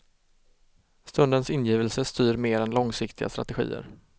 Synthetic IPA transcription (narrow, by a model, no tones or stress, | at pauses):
st̪ɵnd̪ənsɪnːjiːvəlsəst̪yːɾmeːɾɛnlɔŋsɪkt̪ʰɪɡa̰st̪ɾa̰t̪ɛɧḭːə̰ɾ